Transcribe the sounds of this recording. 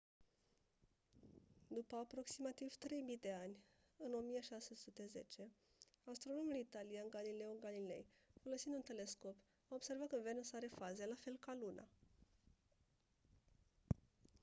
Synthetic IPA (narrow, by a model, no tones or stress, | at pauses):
d̪upəapɾo̞ksimat̪iv̥t̪ɾe̞jmid̪e̞anʲ | ɨno̞mijeʃase̞sut̪e̞ze̞t͡ʃe̞ | ast̪ɾo̞no̞mulit̪alijanɡalile̞uɡalile̞̰jfo̞lo̞sind̪unt̪e̞le̞sko̞p | aobse̞rvat̪ənvenosaɾe̞faze̞lafe̞lkalunʔa̰